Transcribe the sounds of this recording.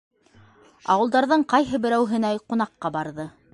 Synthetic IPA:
ɑ̰wɤ̆lˠd̪ɑɾðɤɴqɑjɦɤbɘ̆ɾæwɦɘ̆næjqŭn̪ɑqːɑbɑɾðɤ

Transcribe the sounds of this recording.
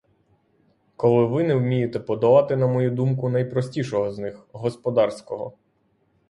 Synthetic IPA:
kɔlˠɪʋɪnɛwmʲijet̪ɛpɔd̪ɐʋɑt̪ɪnɐmɔjud̪umkʊnɐjpɾɔsʲtʲiʃɔɦɔznɪxɦɔspɔd̪ɑrsʲkɔɦɔ̰

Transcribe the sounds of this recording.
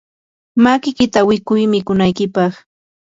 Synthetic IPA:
makɪkɪt̪awɪkʊjmɪkʊnajkɪpɑχ

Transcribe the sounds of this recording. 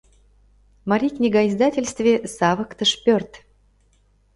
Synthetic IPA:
mɐɾʲiknʲɪɡaɪzd̪atʲɪlʲst̪vʲɪsavəkt̪əʂpʲørt̪

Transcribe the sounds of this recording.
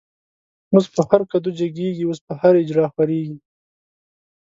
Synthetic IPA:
muzpəhaɾkad̪ud͡ʒaɡeɡiwospəhaɾɪd͡ʒɾɑxpaɾeɡi

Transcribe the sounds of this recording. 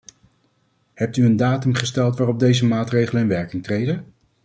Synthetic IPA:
ɦɛp̚tyəndaːtɵmχəstɛlˠtʋaːrɔb̚dejzəmaːtrejχələɪnʋɛɹkɪŋtrejdə

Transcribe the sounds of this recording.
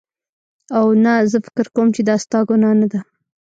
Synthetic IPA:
awnazəfɪ̥kɪɾkawmt͡ʃed̪əast̪ɑɡonanad̪a

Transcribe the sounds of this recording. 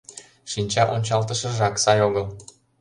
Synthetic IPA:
ʃinʲt͡ɕɑʔonʲt͡ɕɑlt̪əʃə̆ʒɑksɑjoɣəl

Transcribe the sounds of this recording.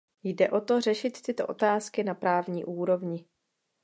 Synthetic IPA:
jdɛʔo̞t̪o̞r̝ɛʃɪt̪ːɪt̪o̞̰ʔo̞t̪aːskɪnapɾaːvɲiːʔuːɾo̞vɲɪ

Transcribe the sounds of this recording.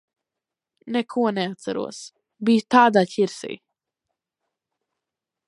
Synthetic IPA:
nɛkʰuɔnɛat̪saɾṵɔs | biːt̪aːd̪aːcʲiɾsḭː

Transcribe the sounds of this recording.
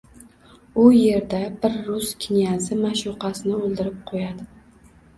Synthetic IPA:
ʊje̞ɾd̪abɪɾːʊskʲʰɪnjazɪmaʃʊqɑsɪnɪolˠd̪ɪɾɪp̚qʰojad̪ɪ

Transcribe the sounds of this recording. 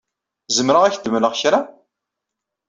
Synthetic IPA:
zəmɾəʁæçd̪əmləʁçɾa

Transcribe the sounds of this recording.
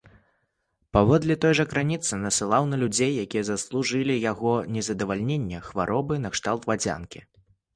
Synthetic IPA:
pavɔd̪lʲit̪ɔjʐɐkɾanʲit̪sɨnɐsɨlˠawnɐlʲud͡zʲejːakʲijɛzɐslˠuʐɨlʲijaɣɔnʲɛzɐd̪ɐvalʲnʲenʲːɛxvaɾʔɔbɨnɐkʂt̪alˠt̪vad͡zʲa̰nkʲi

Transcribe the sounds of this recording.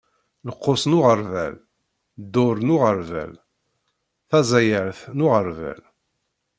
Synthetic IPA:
ləqːosnʊʁəɾvæ̰l | d̪ːʊɾnʊʁəɾvæ̰l | θæzæjəɾθnʊʁəɾvæ̰l

